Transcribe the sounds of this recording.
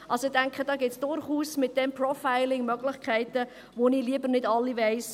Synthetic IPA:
ʔɑlsoɪdæŋkχəd̥ɑːɡɪt̪sd̥ʊɾχuːsmɪt̚d̥ɛmprɔfaɪlɪŋmœɡlɪχkʰχɛɪtə | ʋoniːliəbəɾnɪdɑlːiʋɛɪs

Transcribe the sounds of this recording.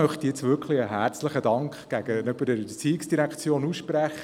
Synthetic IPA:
œχt̪ijɛt͡sʋʏkχliəɦæːɾt͡sləχədɑŋkχɡ̥æɡənyb̥əɾdɛɾət͡siɪksd̥iɾækχt͡sjoːnusʃpræχə

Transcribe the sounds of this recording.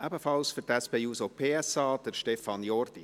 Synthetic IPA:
æbəfɑlsfʏtæspeːuːsopʰeːɛsɑːd̪̥əɾʃtɛfɑnjɔrd̥̪i

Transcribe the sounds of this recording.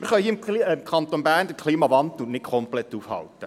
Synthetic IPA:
mɪɾχœjhiːɪmimkʰɑnt̪onbæːrndəkʰliːmɑvɑndl̩nɪkʰɔmplɛtːuːfhɑ̰ltə

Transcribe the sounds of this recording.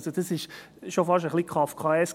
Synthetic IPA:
sod̥̪ɑsɪʃ | ʃofɑʃəχlikʰʁɑfkʰɑɛs

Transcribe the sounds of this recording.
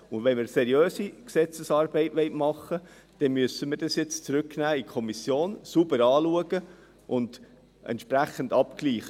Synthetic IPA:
ʊnʋɛnmɪːɾsɛɾiøːsiksɛt͡səsɑːɾbɛɪtʋɛɪtmɑχə | d̥ɛnmyəsəmɪɾd̥ɑsjɛt͡st͡sɾʏknæːikʰɔmisjoːnsubəɾɑːluəɡ̥ə | ʔʊnd̥ | ʔɛ̰ntʃpɾæχəndɑpkliːχə

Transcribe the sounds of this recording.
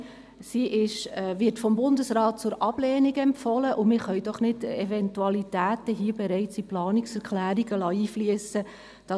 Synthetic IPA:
siʔɪʃʋɪtfɔmbʊndəsɾɑːt̚t͡sʊɾʔɑb̥lɛːniɡəɛmfɔləʔʊmɪχœɥd̥ɔχnɪdɛvɛntuɑlitæːtəɦiəbɛɾɛɪt͡siplɑːniksɛɾklæːɾiɡ̥əlɑːiːfliəsə | d̥ɑ

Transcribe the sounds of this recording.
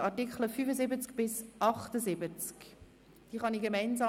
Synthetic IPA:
ɑɾtɪkχləfyːfəzɪbət͡sk̚b̥ɪsʔɑχtəzɪbət͡sk | d̥iːχɑniːɡemɛɪnzaː

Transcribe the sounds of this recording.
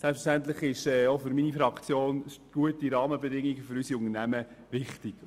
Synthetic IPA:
sɛlpsfə̥ʃtæntlɪχɪʃɛːofʏɾminifɾɑkt͡sjoːnɡ̥uətiɾɑːməbɛdɪŋːiɡføɾysiʊŋənæmə | vɪχtɪk

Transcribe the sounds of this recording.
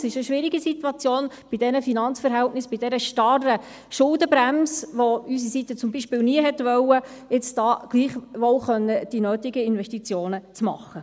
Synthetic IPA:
sɪʃəʃʋɪɾiɡisit̪wɑt͡sjoːn | b̥id̥ɛnəfinɑnt͡sfəɾɦɛltnɪsb̥id̥ɛɾəʃtɑrə | ʃʊldəbɾæmsʋoys̬isit̪ət͡sʊmbiːʃpɪːlniəɦɛtʋœwːə | ɪt͡sd̥ɑːɡ̥liːχʋolχœnːəd̥inøːtɪɡəɪnvɛʃtit͡sjoːnət͡smɑ̰χə

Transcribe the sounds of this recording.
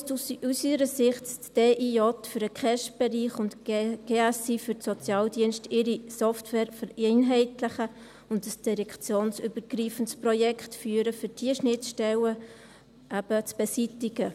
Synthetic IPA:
suusiɾəsɪχttd̥eːʔiɔtfyɾəkχɛʃb̥ɛɾiːχʊntɡ̥eːɛsifyɾtsɔt͡sjɑːldiənʃtɪɾisɔftwɛːɾfəɾeɪnɦɛɪtləχə | ʊndəsd̥iɾɛkʰt͡sjoːnsybəɾɡ̥ɾiːfəntsprɔjɛkχtfyːəɾəfʏɾd̥iəʃnɪtʃtɛlə | ʔæb̥ət͡sb̥ɛsitɪɡə

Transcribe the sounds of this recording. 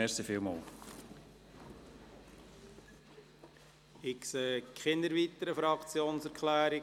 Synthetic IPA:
ɛsifɪlmo̰ːl | ɪkseːkχɪndəɾʋit̪əɾəfɾɑkt͡sjoːnsæɾkχlæːɾɪ

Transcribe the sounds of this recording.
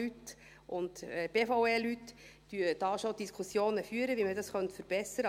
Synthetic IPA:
yt̪ | ʔʊntɛb̥eːfoʊeːlytd̥yːəd̥ɑːʃod̥̪iskʰusjoːnəfyːəɾəʋimədɑsχœntfəɾb̥ɛsəɾə

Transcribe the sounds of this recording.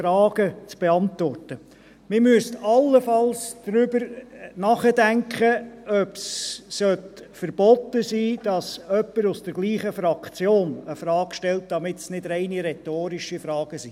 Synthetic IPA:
ɾɑːɡ̥ət͡sb̥eɑnt̪ʋɔrtə | mɪɾmyəstɑlːəfɑlsd̥ɾʏbəɾnɑːχədæŋkχəœpsːœt | fəɾb̥ɔt̪ːəsiːd̥ɑsœpːəɾʊsd̥əɾɡliːχəfɾɑkt͡sjoːnəfɾɑːɡ̥ʃtɛlt̚d̥̪ɑmɪtsnɪdɾɛɪniɾɛtoːɾɪʃifɾɑːɡ̥əsiː

